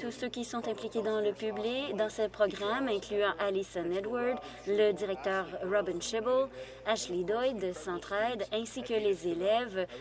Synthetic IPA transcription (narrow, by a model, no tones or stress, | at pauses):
t̪usøkʲisɔ̃t̪ɛ̃plikʲed̪ɑ̃ləpyblikd̪ɑ̃səpχɔɡʁamɛ̃klyɑ̃ʔalisanɛd̪waʁd̪ | ləd̪iʁɛk̚t̪œːʁʁɔbĩnʃɛbəl | aʃlid̪ɔjd̪əsɑ̃t̪χɛd̪ɛ̃sikʲəlezelɛv